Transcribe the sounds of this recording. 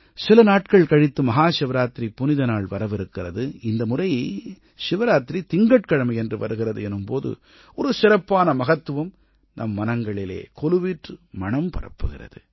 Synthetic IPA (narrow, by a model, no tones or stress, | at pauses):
sɪlɐnaːʈ̚kɐɭkɐɻɪt̪ːɯmɐɣaːʂɪʋɐɾaːt̪ɾipːʊnɪðɐnaːɭʋɐɾɐʋɪɾɯkːɪrɐðɯɪnd̪ɐmʊrɐj | ʃɪʋɐɾaːt̪ɾit̪ɪŋɡɐʈkɐɻɐmɐjɛndrɯʋɐ̰ɾɯɣɪrɐðɯɛnɯmpoːðɯ̰ | ʔɔɾɯsɪɾɐpːaːnɐmɐɣɐt̪ːɯʋɐm | nɐmːɐnɐŋɡɐɭɪlḛːkɔlɯʋiːʈrɯmɐɳɐmpɐrɐ̰pːɯɣɪrɐ̰ðɯ̰